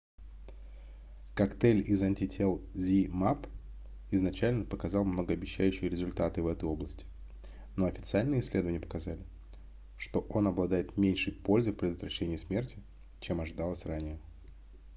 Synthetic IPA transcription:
kɐkt̪ɛlʲɪzanʲtʲɪtʲʰelˠzʲimap | ɪznɐt͡ɕælʲnəpəkɐzɑlˠmnəɡəɐbʲɪɕːæjʉɕɨjəɾʲɪzʊlʲt̪at̪ɨvɛt̪əjo̞blˠəsʲtʲɪ̥ | no̞ɐfʲɪ̥t̪sɨalʲnɨjəɪsʲlʲe̞d̪əvənʲɪəpə̥kɐzalʲɪ | ʂt̪o̞ʔo̞nɐblˠɐd̪ajɪt̪mʲenʲʂɨjpo̞lʲzɨfʲpɾʲɪd̪ət̪vɾɐɕːenʲɪjəsmʲe̞rtʲɪ | t͡ɕe̞mɐʐɨd̪alˠəsʲranʲɪjə

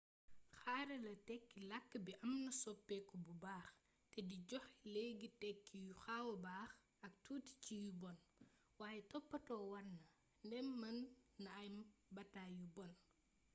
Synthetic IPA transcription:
xaːɾɐlɐtɛkːilakːbiʔɐmnɐsɔpːɛkɔbubaːx | tɛdiɟɔxlɛɡitɛkːijuxawɐbaːx | ɐk̚tuːti̥cijubɔn | waːjɛtɔpːɐtɔːwɐrnɐ | ndɛmmɐnːɐɐjmbɐtaːjubɔn

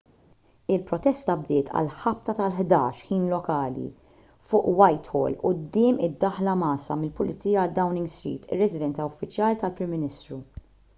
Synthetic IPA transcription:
ɪlpɾɔt̪ɛst̪ɐb̚d̪ɪːt̪ʰɐ̰lħɐp̚t̪ɐt̪ɐlħd̪ɐːʃħiːnlɔkɐːlḭ | fʊːʔwɐjt̪hɔ̰ːlʊd̪ːɪːmɪd̪ːɐħlɐmɐːsɐ̰mɪlpʊlɪt͡siːjɐd̪ːɐwnɪŋɡst̪ɾḭːt̪ʰɪ̰rːɛzɪd̪ɛnt͡sɐʊfːɪt͡ʃjɐːlit̪ɐlpɾɪmːɪnɪst̪ɾu

